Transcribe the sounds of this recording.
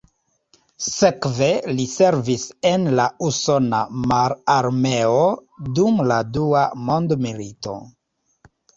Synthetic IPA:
se̞kve̞lise̞ɾvise̞nlauso̞na̰maɾaɾmeodumladuamo̞ndmilito̞̰

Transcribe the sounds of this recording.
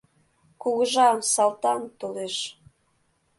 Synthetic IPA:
kuɣəʒɑmsɑlt̪ɑnt̪oleʃ

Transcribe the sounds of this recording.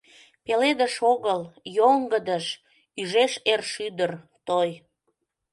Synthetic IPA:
peled̪əʃoɣəljoŋɡəd̪əʃ | yʒeʃerʃyd̪ər | t̪oj

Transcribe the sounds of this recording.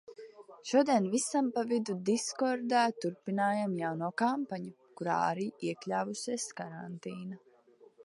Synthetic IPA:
ʃuɔd̪iɛnvisampavid̪ud̪iskɔɾd̪aːt̪uɾpinaːjamjawnuːkampaɲu | kuɾa̰ːa̰ɾiːiɛklʲaːvusʲiɛskaɾant̪iːna

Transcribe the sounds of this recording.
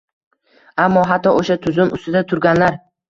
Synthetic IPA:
amːɒɦat̪ːɒʔoʃat̪ʰʊzʊmʔʊ̰st̪ɪd̪at̪ʰʊɾɡʲanlaɾ

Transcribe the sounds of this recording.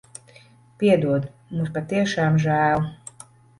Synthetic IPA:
pʲiɛd̪uɔd̪muspat̪iɛʃaːmʒæːlˠ

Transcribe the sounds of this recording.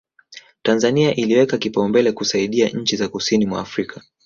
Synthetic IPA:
tanzaniaʔiliwɛkakipaumbɛlɛkusaiɗia̰ɲ̩t͡ʃizakusinimwa̰ːfɾikʰa

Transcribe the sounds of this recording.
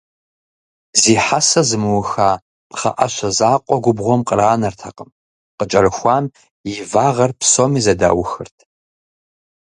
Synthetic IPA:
ziːħasɐzɨmɨwʊxaː | pχɐ̰ʔɐɕɐzaːqʷʼɔɡʷʊbʁʷɔmqʼəɾaːnɐrtʰɐqʼəm | qət͡ʃʼɐrɨxʷaːm | jɪvaːʁɐrpsomiːzɐda̰ːwʊxɨ̰rtʰ

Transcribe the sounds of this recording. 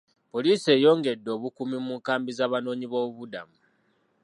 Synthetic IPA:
po̞liːse̞ːjo̞ːŋɡe̞dːo̞ːβukumimuŋkaːmbizaːβano̞ːɲiβo̞ːβuda̰mu

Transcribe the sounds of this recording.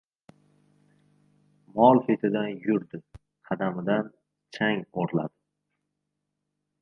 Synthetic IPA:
mɒlˠfet̪ʰɪd̪anjʊɾd̪ɪ | qʰɑd̪amɪd̪an | t͡ʃʰaŋoɾla̰d̪ɪ

